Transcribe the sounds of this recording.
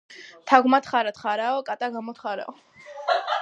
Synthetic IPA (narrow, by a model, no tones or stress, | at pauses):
t̪ʰaɡmat̪χaɾat̪χaɾaɔkʼat̪ʼaɡamɔt̪χaɾa̰ɔ